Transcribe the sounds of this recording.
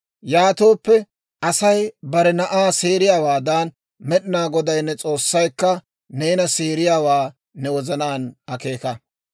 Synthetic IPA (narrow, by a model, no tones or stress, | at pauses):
jaːt̪o̞ːpːɛ | ʔɐsɐjbɐɾɛnɐʔaːseːɾɪjaːwaːd̪aːn | mɛɗɪnaːɡɔd̪ɐjnːɛt͡sʼo̞ːsːɐjkːɐ | ne̞ːnɐseːɾɪjaːwaː | nɛwɔzɐnaːnɐke̞ːkɐ